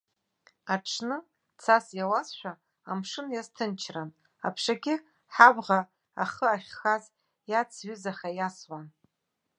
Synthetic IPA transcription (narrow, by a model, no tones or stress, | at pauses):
aʈ͡ʂʰnɨ | t͡sʰasjawazʃʷᶣaː | mʂɨnjaztʰɨnt͡ʃʰran | a̰pʰʂaɡʲɪ | ħabʁa | aχəaχʲxaz | jat͡sʰɥʏzaχajaswan